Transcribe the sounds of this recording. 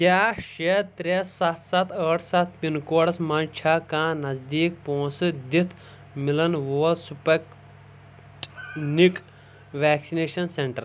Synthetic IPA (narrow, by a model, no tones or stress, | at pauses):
kʲaːʃet̪ɾesɐt̪ʰsɐt̪ʰəːʈʰsɐt̪̚ʰpinkoːɽɐsmɐnt͡ʃʰaːkãːnɐzd̪iːk̚põːnsɨd̪it̪ʰ | milɐnʋoːlsupɐk | ʈnik | ʋæːksineːʃɐnseɳʈɐɾ